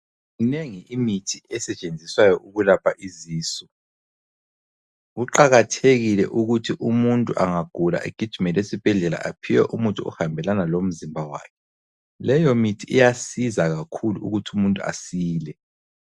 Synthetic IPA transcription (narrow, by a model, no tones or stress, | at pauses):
ɣuneŋiimitʰiɛsɛt͡ʃʼend͡zʱiswajɔʔuɣulapʰaʔiziːsɔ | ɣuǃaɣatʰeɣilɛ̰ʔuɣutʰiʔumuntʼuʔaŋaɡ̥ʱula̰ʔeɡ̥ʱid̥ʒ̥ʱumɛlesib̥ʱɛɮɛla̰ʔapʰiwɛʔumuntʼuɔ̰hambʱɛlanalom̩zimbʱawa̰ːkʰɛ | lɛjɔmitʰiːjasizaɣakʰuluuɣutʰiumuntʼua̰siːlɛ